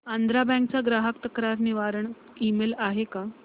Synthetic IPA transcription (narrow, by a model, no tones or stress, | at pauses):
and̪ɾabɛ̃k̚t͡saɡɾaɦəkt̪əkɾaɾniʋaɾəɳ | imelaɦeka